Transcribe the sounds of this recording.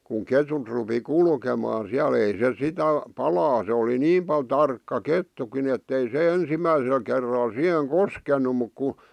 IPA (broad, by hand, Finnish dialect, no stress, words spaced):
kuŋ ketut rupi kulkemɑː siæl ei se sitæ pɑlɑː se oli niːm pɑl tɑrkːɑ ketːukin etːei se ensimːæisel kerːɑl sih̆eŋ koskenu muk ku